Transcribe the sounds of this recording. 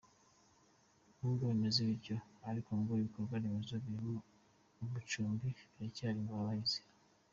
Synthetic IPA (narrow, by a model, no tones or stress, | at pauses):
huɡoβemezeβiɾɟo̞aɾikomɡoɾiβikoɾɡwanemezoβiɾimoː | βut͡ʃuːmbiɾecaːɾimɡaβaize̥